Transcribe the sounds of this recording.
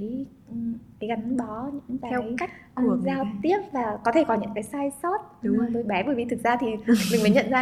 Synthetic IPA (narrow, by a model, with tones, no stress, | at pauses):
j | ʔka˨˦jɣa˨˦nɗɔ˨˦ɲɨ̰˧˥ŋaː˨ɛ˧˦jka˦˥jk̚ʔzaː˧˨t̪i˦˥əp̚laː˨˩kɔ˨˦t̪ʰe˧˩kɔ˨˦ɲɨ̰˧˥ŋkaː˨˦jsaː˧jsɔ˦˥t̚ɗʊ˨˦oː˨˩jt̪o˧jɓɛ˨˦ɓəː˨˩jvi˨˩t̪ɨ˨˩k̚zaː˧t̪ʰi˨˩mï˨˩ŋ̟məː˨˦jɲə̰˧˨nzaː˧